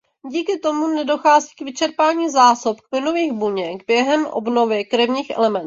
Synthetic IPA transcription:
ɟiːkɪt̪o̞munɛdo̞xaːziːkvɪt͡ʃɛɾpaːɲiːzaːsopkplɪnoviːɣbuɲɛɡbjɛɦɛmʔo̰bno̞vjɛkɾɛvɲiːxʔɛ̰lɛmɛnt̪

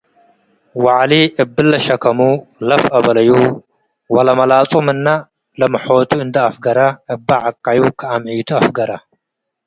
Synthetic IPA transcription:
waʕliʔɨbːɨlːɐʃɐkʰɐmulɐfʔɐβɐlɐju | wɐlɐmɐlat͡sʼumɨnːa | lɐmɨħot̪ʰuɨnd̪ɐafɡɐɾaɨbːaʕakʼːajukʰɨamʕit̪ʰuafɡɐɾa

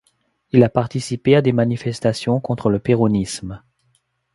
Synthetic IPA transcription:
ilapaʁt̪isipead̪emanifɛst̪asjɔ̃kɔ̃t̪χələpeʁɔnism

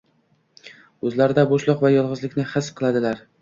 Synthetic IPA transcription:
ɵzlaɾɪd̪aboʃlˠɒqvajɒlˠʁɨzlɪkʲnɪχɨsqʰɨlˠad̪ɪlaɾ

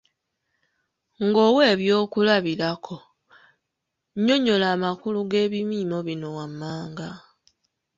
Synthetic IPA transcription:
ŋɡo̞ːwe̞ːβjo̞ːkulaβilakʰo̞ | ɲo̞ɲo̞laːmakuluɡe̞ːβimiːmo̞βino̞wamːaːŋɡa

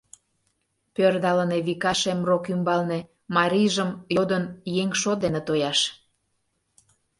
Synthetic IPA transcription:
pørd̪ɑləneβikɑʃemrokymbɑlne | mɑɾʲiʒəmjod̪ənjeŋʃod̪enet̪ojɑʃ

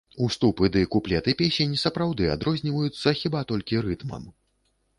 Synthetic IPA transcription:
ust̪upɨd̪ɨkuplʲɛt̪ɨpʲesʲenʲsɐpɾawd̪ɨa̰d̪ɾɔzʲnʲivɐjut̪sːɐxʲibat̪ɔlʲkʲiɾɨt̪mɐ̰m

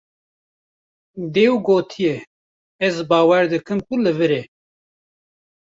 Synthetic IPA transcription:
d̪eːwɡoːt̪ʰijɛ | ɛzbɑːwɛɾd̪ɨkʰɨmkulɨvɨɾeː

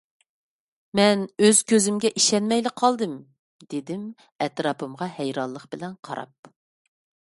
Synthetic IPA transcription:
mɛnøz̥kʲʰøzɪmɡʲɛʔiʃɛnmɛjlɪqʰːɑlˠd̪ɨm | d̪ed̪ɪm | ɛt̪ɾɑːpʰɨmʁɑhɛjɾɑnlˠəqbɪlɛnqʰɑ̰ɾɑ̰p̚

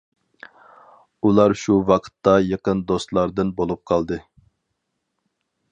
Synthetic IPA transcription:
ulˠɑɾʃuwɑqʰə̥t̪ːɑjəqənd̪ost̪lˠɑɾd̪ɨnbolˠup̚qʰɑlˠd̪ɨ

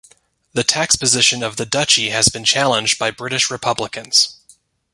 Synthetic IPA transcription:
ðɨtʰækspɨzɪʃɨ̃nʌvðɨdʌt͡ʃiɨzbɨ̃nt͡ʃʰælˠə̃nd͡ʒd̚baɪbɹɪɾɨʃɹɨpʰʌbləkɨ̃nz̥

